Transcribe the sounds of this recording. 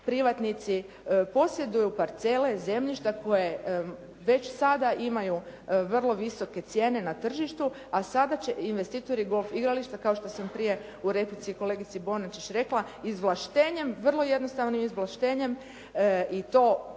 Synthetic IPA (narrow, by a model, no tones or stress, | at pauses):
pɾiʋat̪nit̪si | po̞sje̞d̪ujupaɾt̪se̞le̞ze̞mʎiʃt̪ako̞je̞ | ʋe̞t͡ɕsad̪aʔimajuʋr̩lˠo̞ʋiso̞ke̞t̪sje̞ːne̞nat̪r̩ʒiʃt̪u | asad̪at͡ɕeinʋe̞st̪it̪o̞ɾiɡo̞lˠfiɡɾaliʃt̪akaoʃt̪o̞sampɾije̞ | uɾe̞plit̪iko̞le̞ɡit̪sibo̞nat͡ʃit͡ʃɾe̞kla | izʋlˠaʃt̪eːɲe̞mʋər̩lˠo̞je̞d̪nost̪aʋnimizʋlˠaʃt̪eːɲe̞m | it̪o̞ː